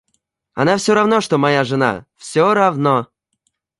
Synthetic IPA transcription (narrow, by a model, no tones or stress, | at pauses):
ɐ̰nafsʲoɾavnoʂt̪omajaʐɨna̰fsʲɔɾavno